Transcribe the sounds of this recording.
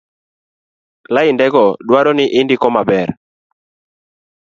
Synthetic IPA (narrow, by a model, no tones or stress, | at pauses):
laɪndɛɡɔdwaɾɔnɪʔɪndɪkɔmabɛr